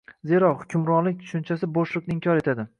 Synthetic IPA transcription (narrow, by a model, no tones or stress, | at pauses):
ze̞ɾɒχʊkʲʰʊmɾɒnlɪk̚ʲt̪ʰʊ̥ʃʊnt͡ʃʰasɪboʃlˠʊknɪɪmkʲʰɒɾe̞t̪ʰad̪ɪ